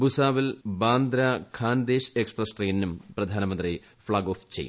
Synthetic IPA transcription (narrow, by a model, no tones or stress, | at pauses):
busaːʋilbaːnd̪ɾɐkʰaːnd̪eːɕeksprɐsʈriːnːumprɐd̪ʱaːnɐmɐnd̪ri | fɭaːɡoːft͡ɕejṵ